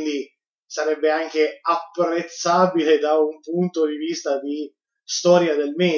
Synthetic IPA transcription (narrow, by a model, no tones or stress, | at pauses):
nd̪i | saɾɛbːeaŋk̟eapːɾet̪sːaːbiled̪aumpunt̪od̪ivist̪ad̪i | st̪ɔːɾjad̪elmɛː